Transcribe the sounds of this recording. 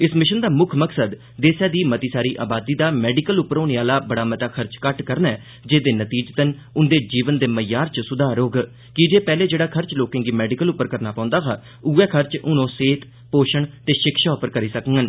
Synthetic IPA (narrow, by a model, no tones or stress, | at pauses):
ɪsmɪʃənd̪aːmʊkʰməksəd̪ | d̪eːsaːd̪iːmət̪iːsaːɾiːʔa̰ːbaːd̪iːd̪aːmɛːɖɪkəlʊpːəɾoːneːaːlaːbəɽaːmət̪aːkʰəɾt͡ʃkəʈkəɾnɛː | d͡ʒeːd̪eːnət̪iːd͡ʒt̪ən | ʊnd̪eːd͡ʒiːʋənd̪eːməjaːɾt͡ʃsʊd̪ʱaːɾoːɡ | kɪd͡ʒeːpɛːleːd͡ʒeːɽaːkʰəɾt͡ʃloːkẽːŋɡiːmɛːɖɪkəlʊpːəɾkəɾnaːpãːʊ̃nd̪aːɦaː | ʊːɛːkʰəɾt͡ʃʊnõːseːt̪ | poːʃəɳt̪eːʃɪkʃaːʊpəɾkəɾiːsəkəŋɡən